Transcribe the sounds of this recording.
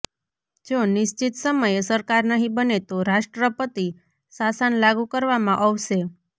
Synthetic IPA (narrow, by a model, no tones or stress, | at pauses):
d͡ʒonɪʃt͡ʃit̪səməjsəɾkaɾnəɦĩbənet̪oɾaʃʈɾəpət̪i | sasanlaɡũkəɾʋamãʔəʋʃe